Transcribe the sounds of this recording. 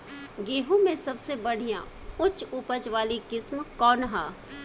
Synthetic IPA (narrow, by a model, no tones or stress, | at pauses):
ɡeːɦõmẽsɐbsebɐɽ̤ijã | ʊt͡ʃʊpəd͡ʒʋaːlikɪsmkɔːnɦaː